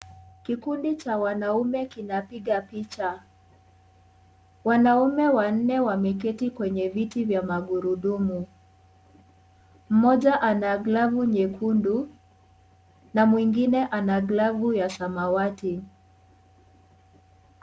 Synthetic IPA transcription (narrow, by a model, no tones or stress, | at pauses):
kikundit͡ʃawanaumɛkinapiɠapit͡ʃa | wanaumɛwan̩nɛwamɛkɛtikwɛɲɛvitivjamaɠuɾuɗumu | m̩mɔʄaʔanaɡlavuɲɛkʰundu | namwiŋɡinɛʔanaɡlavujasamawati